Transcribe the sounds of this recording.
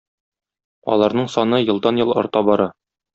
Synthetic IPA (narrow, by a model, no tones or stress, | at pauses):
ɒ̰lˠɑɾnɤɴsɒnɤjɤ̆lˠd̪ɑnjɤlˠɒ̰ɾt̪ɑbɒɾɑ